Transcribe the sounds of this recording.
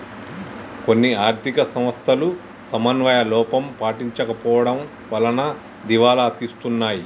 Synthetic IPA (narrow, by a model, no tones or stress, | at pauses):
ko̞nːiaːɾt̪ʰikɐsɐmʋɐst̪ʰɐlu | sɐmɐnʋɐjɐlɔːpɐmpaːʈiɲt͡ʃɐkɐpɔːʋɐɽɐm | ʋɐlɐnɐ | d̪iʋaːlɐːt̪ist̪unːaːji